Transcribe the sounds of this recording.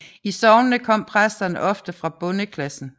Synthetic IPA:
isɒʊnnəkʰɒ̽m̰pʰʁasd̥ɐnəʔɒ̽fd̥əfʁɑ̈b̥ɔ̽nəkʰlæsn̩

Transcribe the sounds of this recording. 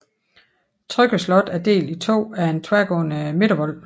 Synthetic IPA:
t͡sʰʁœɡ̥əslɒ̽d̥æɐd̥e̝̰ːlit͡sʰo̝̰ːæɐe̝nt͡sʰʋæɐɡ̥ɔ̰̽ːnəme̝ɾɐʋɒl̰

